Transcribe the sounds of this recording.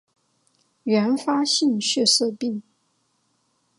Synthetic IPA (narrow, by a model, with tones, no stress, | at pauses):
ɥɛ˧˥nfa˥ɕi˥˧nɕɛ˥˧ʂɤ˥˧pi˥˩ŋ